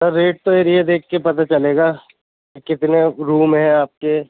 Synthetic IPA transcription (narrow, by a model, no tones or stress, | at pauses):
sɐɾːeːʈ̚t̪oeɾied̪eːkʰːepɐt̪at͡ʃɐleːɡaː | kɪt̪neɾuːmɦɛ̃aːp̚ke